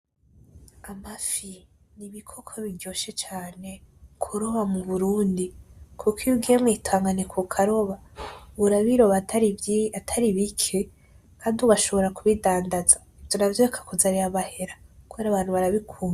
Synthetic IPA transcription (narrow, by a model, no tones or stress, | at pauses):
amafi | niβikʰo̞kʰoβiɾjo̞ʃet͡ʃaːne̞kʰuɾo̞βamuβuɾuːndikʰukʰijubɡiemwitʰaːŋɡanekʰukʰaɾo̞βauɾaβiɾo̞βatɾiatʰaɾiβikʰe | kʰaːndiuβaʃo̞βo̞ɾakuβidaːndaza | ivjo̞navjoekʰḁkuzaɾiɾaβahe̞ɾakuβeɾaːβaːn̥huβaɾaβikʰuːma